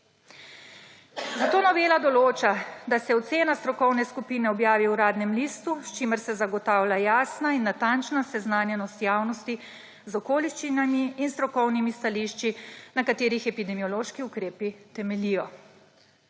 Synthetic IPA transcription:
zat̪oːnɔʋeːlad̪ɔloːt͡ʃad̪asɛɔt̪seːnast̪ɾɔkɔwnɛskupiːnɛɔbjaːʋiuɾaːd̪nɛmlist̪ust͡ʃiməɾsɛzaɡɔt̪aːwlʲjajaːsnainːat̪ant͡ʃnasɛznaːnjɛnɔst̪jaːwnɔst̪i | zɔkoːliʃt͡ʃinamiːnst̪ɾɔkɔwnimist̪aliʃt͡ʃinakat̪eːɾixɛpid̪ɛmijɔloːʃkiukɾeːpit̪ɛmɛlijɔ

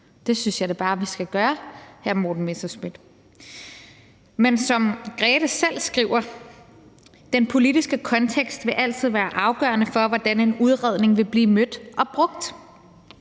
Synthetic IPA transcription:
d̥e̝synsjɑ̈ɪd̥eb̥ɑ̈ːʋisɡ̥æɡ̥ɶːɐhæɐmo̰ːd̥n̩mesɐsmid̥ | mensɒ̽mɡ̥ʁɛːɾ̥əsel̰sɡ̥ʁiʊ̰ɐ | d̥enpʰo̝lidisɡ̥əkʰɒ̽nt͡sʰeɡ̥sd̥ʋe̝ʔæl̰t͡sʰið̞̰ˠʋæːɐʔɑ̈ʊɡ̥ɶ̰ɐnəfɒ̽ʋɒd̥æne̝nuð̞ˠʁɛð̞̰ˠne̝ŋʋe̝b̥liːmød̥ʔɒ̽b̥ʁɔ̽ɡ̥̚d̥

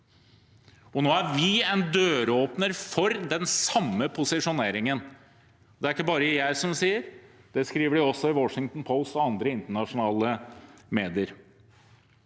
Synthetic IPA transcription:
ɔnoːæɾʋɪɛnd̪øːɾoːpnəɾfɔɾd̪ɛnsɑmːəpʰʊsɪʂʊneːɾɪŋən | ɔd̪ɛæɾɪkːəbɑːɾəɪjæɪsɔmsiːəɾd̪̥ɛskɾiːʋəɖɪɔsːɔɪwɔʂɪŋt̪n̩pʰɔʊst̪ɔɑnd̪ɾəɪnt̪əɳɑʂʊnɑːləmeːd̪ɪəɾ

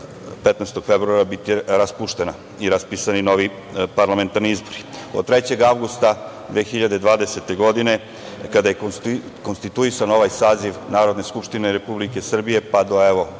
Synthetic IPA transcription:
pet̪nɛst̪oɡ̥febɾuaɾabit̪iɾaspuʃt̪e̞na | iɾaspisanino̞ʋi | paɾlame̞nt̪aɾniizbo̞ɾiod̪̚t̪ɾet͡ɕe̞ɡaʋɡust̪ad̪ʋeːxiʎad̪ed̪ʋaːd̪e̞se̞t̪e̞ɡo̞d̪ine̞ | kad̪ajekonst̪it̪uisano̞ʋajsaːziʋnaːɾo̞d̪ne̞skupʃt̪ineɾepublike̞sr̩bije̞pad̪oeʋo

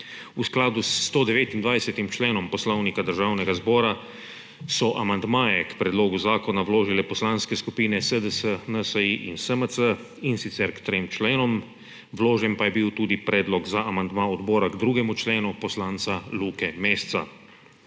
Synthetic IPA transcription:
usklaːd̪ust̪oːd̪ɛʋeːt̪ind̪ʋajsɛt̪imt͡ʃleːnɔmpɔslɔwnikad̪əɾʒaːwnɛɡazbɔːɾa | sɔʔamand̪maːjɛkpɾɛd̪loːɡuzaːkɔnawloːʒilɛpɔslanskɛskupiːnɛsəd̪əsənəsəiʔinsəməsə | insit̪sɛɾkt̪ɾemt͡ʃleːnɔm | wloːʒɛnpajɛbiwt̪uːd̪ipɾɛːd̪lɔɡzaʔamand̪maːɔd̪bɔːɾaɡd̪ɾuːɡɛmut͡ʃleːnupɔslaːnt̪saluːkɛmeːst̪sa̰

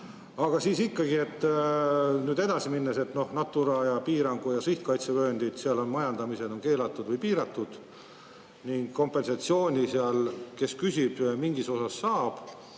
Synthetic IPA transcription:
ɑɡ̥ɑsiːsikːɑɡie̞t̪ː | nyːd̪e̞d̪̥ɑsiminːese̞t̪no̞hnɑt̪ːuɾɑjɑpiːɾɑŋɡ̥ujɑsiht̪̚kɑjt̪sevø̞ːnd̪̥it̪seɑlo̞nmɑjɑnd̪̥ɑmise̞d̪̥o̞nke̞ːlɑt̪ˑːud̪̥vɤjpiːɾɑt̪ːˑud̪̥ | niŋɡ̥ko̞mpːˑe̞nsɑt̪sio̞ːnʲiseɑlke̞skysʲib̥miŋɡiso̞sɑsːɑːb̥

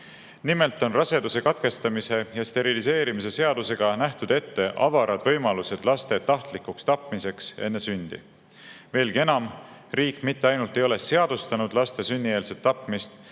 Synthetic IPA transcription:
nime̞lt̪ːˑo̞nrɑse̞d̪use̞kɑt̪ke̞st̪ɑmise̞jɑst̪e̞ɾilise̞ːɾimise̞se̞ɑd̪̥use̞ɡ̥ɑnæht̪ud̪̥e̞t̪ːe̞ʔɑvɑɾɑd̪vɤjmɑluse̞d̪̥lɑst̪e̞t̪ɑht̪likːukst̪ɑpːˑmise̞ksenːe̞synʲd̪̥ḭ | ve̞ːlɡie̞nɑm | riːkːˑmit̪ːe̞ɑjnult̪ːˑe̞jo̞le̞se̞ɑd̪̥ust̪ɑnud̪lɑst̪e̞synʲːie̞ːlset̪ːɑpmist̪

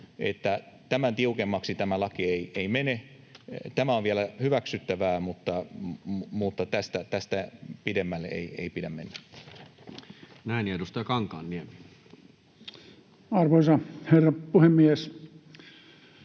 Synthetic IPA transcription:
ḛt̪ːæt̪æmænt̪iukemːɑksit̪æmælɑkieiʔeimene | t̪æmæoʋielæhyʋæksyt̪ːæʋæːmut̪ːɑ | mut̪ːɑt̪æst̪æt̪æst̪æpidemːælːḛiḛipidæmmenːæ | næˑinedust̪ɑjɑkɑŋkɑːnːiemi | ɑrʋoisɑherːɑpuhemːies

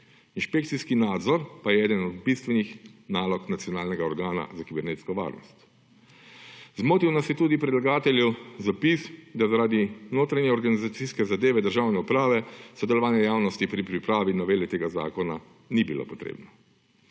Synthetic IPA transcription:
inʃpeːkt̪siskinaːd̪zɔɾpajɛɛːd̪ənɔd̪̚bist̪ʋɛnixnaːlɔknat̪sijɔnaːlnɛɡaɔɾɡaːna̰zakibɛɾneːt̪skɔʋa̰ːɾnɔ̰st̪ | zmoːt̪iwnasjɛt̪uːd̪ipɾɛd̪laɡaːt̪ɛljɛwzapisd̪azaɾaːd̪inoːt̪ɾanjɛɔɾɡanizat̪siskɛzad̪eːʋɛd̪əɾʒawnɛupɾaːʋɛsɔd̪ɛlɔʋaːnjɛjaːwnɔst̪ipɾipɾipɾaːʋinɔʋeːlit̪eːɡaza̰ːkɔna | nibilo̰pɔ̥t̪ɾḛbnɔ

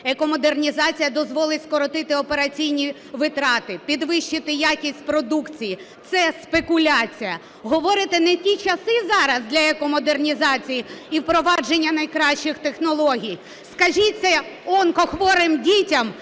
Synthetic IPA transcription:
ekɔmɔd̪ernʲizɑt͡sʲijɐd̪ɔzʋɔlˠɪtʲskɔɾɔt̪ɪt̪ɪɔpeɾɐt͡sʲijnʲi | ʋɪt̪ɾɑt̪ɪpʲid̪ʋɪʃt͡ʃːɪt̪ɪjakʲisʲtʲpɾɔd̪ukt͡sʲijit̪sɛspekʊlʲat͡sʲijɐ | ɦɔʋɔɾɪt̪ɛnɛtʲit͡ʃɐsɪzɑɾɐzd̪lʲɐekɔmɔd̪ernʲizɑt͡sʲijiiwpɾɔʋɑd͡ʒenʲːɐnɐjkɾɑʃt͡ʃːɪxt̪exnɔlˠɔɦʲij | skɐʒit̪sɛɔnkɔxʋɔɾɪmdʲitʲɐm

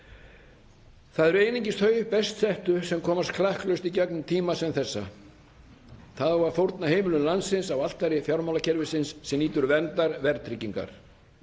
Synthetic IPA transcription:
θaðɛɾeːjnĩɲcɪsθœːɥʏpɛst̪θɛht̪ʏsɛmkʰɔːmast̪kʰlahklœɥst̪icaknʏmt̪ʰiːmasɛmθɛsːa̰ | θaðvaɾ̥fowɾt̪nahɦeːjmɪlʏnlansɪnsawal̥t̪ajɾɪfjawɾmawlacʰɛɾvɪsɪnsːɛmniːt̪ʏɾvɛnt̪aɾvɛɾt̪ʰɾiciŋka̰ɾ̥

